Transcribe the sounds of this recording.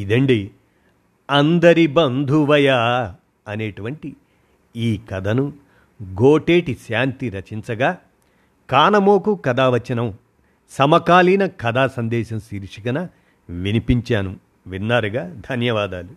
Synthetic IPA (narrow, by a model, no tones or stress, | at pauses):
id̪ɐɳɖi | ɐnd̪ɐɾibɐnd̪ʱuʋɐja | ɐneːʈuʋɐɳʈi | iːkɐd̪ʱɐnu | ɡoːʈeːʈisjaːnt̪iɾɐt͡ʃint͡sɐɡaː | kaːnɐmoːkukɐd̪aːʋɐt͡ʃːinɐm | sɐmɐkaːliːnɐkɐd̪aːsɐnd̪ɛːʃɐmsiːɾʂikɐnɐ | ʋinipiɲt͡ʃaːnu | ʋinːaːɾuɡaːd̪ʱɐnjɐʋaːd̪aːlu